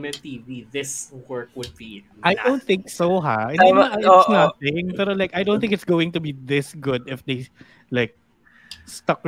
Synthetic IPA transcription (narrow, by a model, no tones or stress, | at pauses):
mɛnt̪iːviðɪswɜ˞kwʊd̪̚bi | ʔajdõʊ̃nt̪̚θɪ̃ŋksoɦa̰ʔɛ̃aaaɪsnɐθɪ̃ŋpɛɾolajkɐjd̪õʊ̃nθɪ̃ŋkɪt̪sɡoːwɪ̃ŋt̪ʊbiðɪsɡʊd̪ɪfd̪ej | laɪk̚ | st̪ɐk